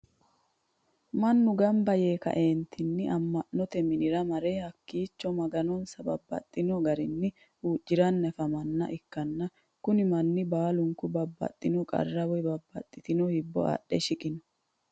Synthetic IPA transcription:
mɐnːʊɡɐmbɐjeːkɐ̰ʔe̞ːnt̪ʰɪnːɪʔɐmːɐʔnnːɔt̪ɛmɪnɪɾɐmɐɾehɐkːiːt͡ʃːɔmɐɡɐnɔnsɐbɐbːɐ̰t̪ʼːɪnɔɡɐɾɪnːɪ | uːd͡ʒːɪɾɐnːɐfɐmɐnːɐ̰ʔɪkːɐnːɐ | kʊnɪmɐnːɪbaːlʊŋkʊbɐbːɐ̰t̪ʼːɪnɔkʼɐ̰rːɐwɔjbɐbːɐ̰t̪ʼːɪt̪ɪnɔhɪbːɔ̰ɐ̰ɗːɛʃɪkʼɪnɔ̥

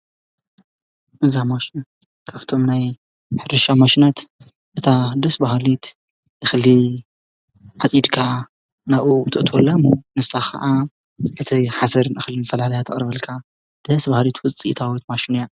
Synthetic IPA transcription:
ʔɨzamaʃin | kʰaft̪ʰo̞mnaj | ħɨɾɨʃamaʃinat̪ | ʔɨt̪ʰad̪ɐsbahlit̪ | ɨxli | ʕat͡sʼjid̪kʰa | naβut̪ʰɨʔt̪ʰwolːamonɨsaxɐ̰ʔa | ʔɨt̪ʰiħasɐɾnɨxlinɨfɐlalɐjat̪ʰɐχʼɾɐβɐlkʰa | d̪̥ɐsbahlit̪wʊt͡sʼḭʔt̪ʰawit̪maʃinja

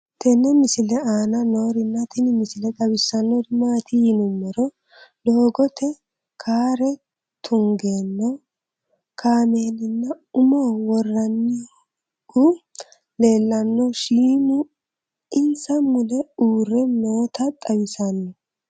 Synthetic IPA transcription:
t̪ʰɛnɛmɪsɪlɛaːnɐno̞ːɾɪnːɐt̪ʰɪnɪmɪsɪlɛt̪ʼɐbɪsːɐnːɔd̪ɪmaːt̪ɪjnʊmːɛɾɔ | doːɡɔt̪ʰɛ | kʰaːɾɛ | t̪ʰʊŋɡeːnːɔ | kʰaːme̞ːnɪnːɐ | ʊmoːwɔrːɐnːɪ | ɡu | le̞ːlːɐnːɔʃiːmʊ | ɪnsɐmʊlɛuːɾɛnoːt̪ʰɐt̪ʼɐwɪsɐnːɔ

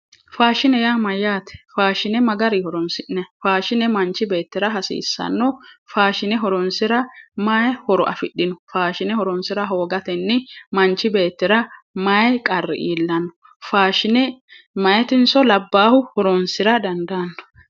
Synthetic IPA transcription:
faːʃɪnɛjaːmɐjːaːt̪ɛ̥faːʃɪnɛmɐɡɐɾihɔɾɔnsɪʔnɐfaːʃɪnɛmɐnt͡ʃːɪbe̞ːt̪ːɪɾɐɦɐsḭːsːɐ̰nːɔfaːʃɪnɛɦɔɾɔnsɪɾɐmɐjɛhɔɾɔʔɐ̰fɪɗːɪnɔfaːʃɪnɛhɔɾɔnsɪɾɐɦo̞ːɡɐt̪ɛnːɪmɐnt͡ʃːɪbe̞ːt̪ːɪɾɐ | mɐjɛkʼɐrːɛ̰ʔiːlːɐnːɔ | faːʃɪnɛ | mɐjɛt̪ɪnsɔlɐbːaːhʊhɔɾɔnsɪɾɐd̪ɐnd̪ɐnːɔ̥

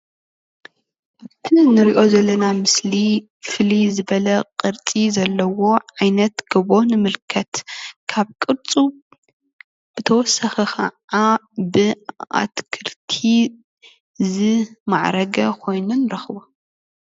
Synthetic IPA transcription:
ʔaβt̪ʰinɨɾiʔo̞zɐlːɐnamɨsli | fɨlizɨβɐlɐqʼɨɾt͡sʼizɐlːɐwo̞ʕajnɐt̪ɡ̥ɐβo̞nɨmɨlkʰɐt̪kʰaβkʼɨɾt͡sʼu | b̥ɨt̪ʰɐwɔsɐxɐkʰɐ̰ | abɨa̰t̪kʰɨɾt̪ʰi | zɨma̰ʕɾɐɡɐkʰo̞jnunɾɐxɨbo

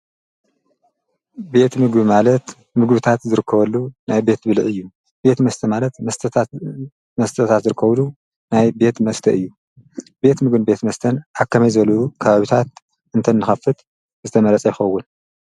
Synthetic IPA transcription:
be̞t̪mɨɡbimalɐt̪ | mɨɡbɨt̪ʰat̪zɨɾɨkʰːɐβɐlːunajbe̞t̪bɨlʕɨjːu | be̞t̪mɐst̪ʰɐmalɐt̪ɐst̪ʰɐ | mɐst̪ʰɐt̪ʰat̪zɨɾɨkʰːɐβlu | najbe̞t̪mɐst̪ʰɐʔɨjːu | b̥e̞t̪mɨɡɨnbe̞t̪mɐst̪ʰɐnʔakʰːɐmɐjzɨɐlɐukʰɐβaβit̪ʰat̪̚ | ʔɨnt̪ʰɐnːɨxɐfɨt̪ | zɨt̪ʰɐmɐlɐt͡sʼɐjɪxɐwːʊn

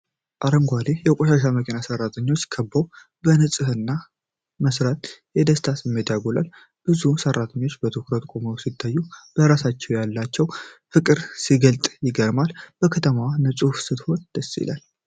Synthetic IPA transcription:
ʔaɾəŋɡʷalejɛkʷʼoʃaʃ̬aməkʰʼenasərːat̪ʰəɲːo̞t͡ʃːkʰəbːəw | bənɨsʼɨhɨnːa | məsɾat̪jɛd̪əst̪ʰasɛmːet̪ʰjaɡola̰l | b̥ɨzusərːat̪ʰəɲːo̞t͡ʃːbət̪ʰokɾət̪ʼkʼoməwsit̪ʰːajːub̥əɾasat͡ʃːɛwjalːat͡ʃːɛwfɨkʼɨɾsiɡəlt̪ʼjɪɡəɾmalb̥əkʰət̪ʰəmawnɨsʼufsɨt̪ho̞nd̪̥əsːḭla̰l

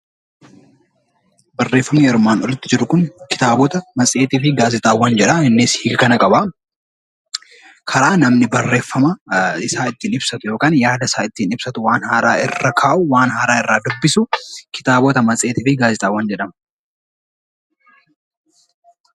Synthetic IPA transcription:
bɐrːe̞ːfːɐmɪjɛɾʊmaːnɔlɪt̪ːɪd͡ʒɪɾʊkʊnkɪ̥t̪aːbɔt̪ɐmɐt͡sʼe̞ːt̪ɪfɪɡaːzɪt̪ʼaːwːɐnd͡ʒɛᶑɐɪnːɪshiːɡɐkɐnɐkʼɐba | kʰɐɾaːnɐmnɪbɐrːe̞ːfːɐmɐɪsaːɪt̪ːiːnɪbsɐt̪ʊjo̞ːkaːnjaːd̪ɐɪsaːɪt̪ːiːnɪbsɐt̪ʊwaːnhaːɾaːʔɪ̰rːɐkʰaːʔʊwaːnɦaːɾaːɪrːaːd̪ʊbːɪsʊkɪ̥t̪aːbɔt̪ɐmɐt͡sʼe̞ːt̪ɪfɪɡaːzɪt̪ʼaːwːɐnd͡ʒɛᶑɐmɐ

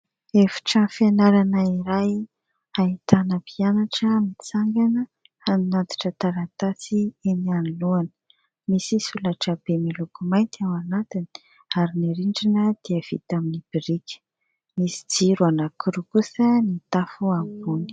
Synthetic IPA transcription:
efi̥ʈ͡ʂənfenaɾanəiɾaj | ait̪anəpianaʈ͡ʂəmit͡saŋɡanə | aninad̪i̥ʈ͡ʂət̪aɾant̪asienianiluanə̥ | misisulaʈ͡ʂəb̥emilukumajnt̪iawanat̪ini̥ | aɾiniɾiɳɖ͡ʐinəd̪̥iəv̥ḭt̪aminib̥iɾikʲə̥ | misi̥d͡ziɾuanakuɾukusənit̪afuambuni̥

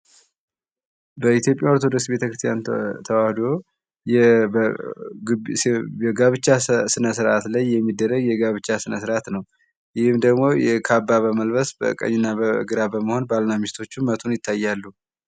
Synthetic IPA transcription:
bəit̪jo̞pʼjaoɾt̪ʰod̪oksbe̞t̪ʰəkɾɨst̪ʰjant̪ʰəwahd̪o̞ | jɛ | ɛɡaβɨt͡ʃːasɨnəsɨɾʔat̪lajːɛmːid̪ːərːəɡjɛɡaβɨt͡ʃːasɨnəsɨɾat̪nəw | jɪhɨmd̪əɡmo̞jɛkʰabːaβəməlbəsbə̰kʼə̰ɲːɪnːabə̰ɡɨɾabəməho̞nbalnamist̪ʰo̞t͡ʃːumət̪ʰunjɪt̪ʰːajːalːu

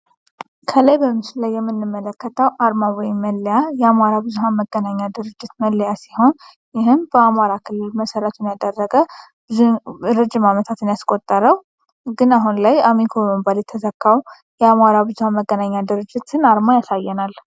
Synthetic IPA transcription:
kʰələjbəmɨslajːɛmːɨnːɨmːələkːət̪ʰəwʔaɾmawɔjɪmːəlːjajɛamaɾabɨzuɦanməɡːənaɲːad̪ɨɾɨd͡ʒːɪt̪məlːjasiho̞n | jɪɦɨmbəamaɾakʰɨlːɨlməsəɾət̪ʰɨnjad̪ərːəɡə | bɨzɾɨd͡ʒɪmamət̪ʰat̪ɨnjaskʼo̞t̪ʼːəɾəw | ɡɨnaɦunlajamikʰoməbaljɛt̪ʰːəzəkʰːaw | jɛamaɾabɨzuhanməɡənaɲːad̪ɨɾɨd͡ʒːɪt̪ɨnaɾmajasajːɛnal

